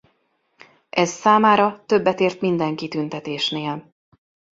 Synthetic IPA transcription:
ʔɛzːaːmaːɾɒt̪ø̞bːɛt̪eːrt̪mind̪ɛŋkit̪ynt̪ɛt̪eːʃneːl

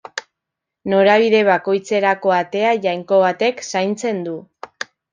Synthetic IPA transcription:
no̞ɾaβ̞iðe̞β̞ako̞jt͡se̞ɾako̞at̪e̞aʝajŋko̞β̞at̪e̞ksajnt͡se̞nd̪u

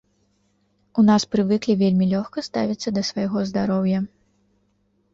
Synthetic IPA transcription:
unaspɾɨvɨklʲivʲelʲmʲilʲɔxkɐst̪avʲit̪sːɐd̪ɐsvajɣɔzd̪aɾɔwjɐ

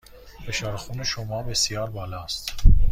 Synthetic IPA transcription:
beʃɒːɾxuːneʃomɒːbe̞sijɒːɾbɒːlɒːst̪

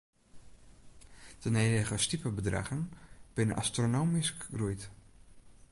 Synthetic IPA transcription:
d̥əneːdəɣəstipəbədra̰ɣənb̥ɪnənʔa̰stronoːmiskrujt

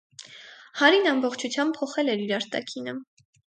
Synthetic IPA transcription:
hɑɾinɑmbɔχt͡ʃʰut͡sʰjɑmb̚pʰɔχɛlɛɾiɾɑɾt̪ɑ̰kʰinə

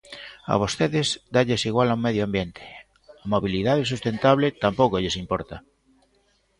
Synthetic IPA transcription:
a̰β̞ost̪eðezd̪aʎesiɣwalaũmeðjoambjent̪ʰe̥ | amoβilið̞aðes̬ust̪ent̪aβ̞let̪ampokoʎesimpoɾt̪a

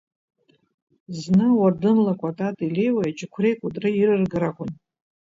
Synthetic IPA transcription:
znɨwardɨmlakʷʼatʼatʼile̞jwajat͡ʃʼɪkʷʰre̞jkʷʼʊtʼrɨirɨrɡɨɾaʁʷʊn

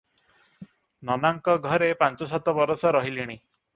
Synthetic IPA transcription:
nɔnaŋkɔɡʱɔɾepant͡ʃɔsat̪ɔbɔɾɔsɔɾɔɦiliɽ̃i

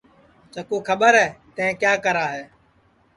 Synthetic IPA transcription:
t͡ʃəkuːkʰəɓəɾɦɛːt̪ə̃ɛ̃ːkjaːkəɾaːɦeː

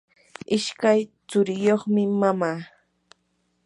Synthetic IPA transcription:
ɪʃkajt͡sʊɾɪjoχmɪmamaː

